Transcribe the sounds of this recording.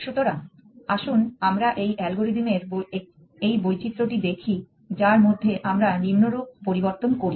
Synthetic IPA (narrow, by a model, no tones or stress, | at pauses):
ʃut̪oɾaŋ | aʃunamɾaʔejʔɛlɡoɾid̪imeɾbo | ejbojt͡ɕit̪ːɾoʈid̪ekʰi | d͡ʑaɾmod̪ʱːeʔamɾanimnoɾub̚poɾiboɾt̪onkoɾi